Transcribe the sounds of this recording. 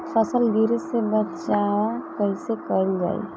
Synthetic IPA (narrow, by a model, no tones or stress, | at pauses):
fəsəld̪iːɾsebət̪t͡ʃaːʋakəɦisekənd͡ʒa̰ːḭ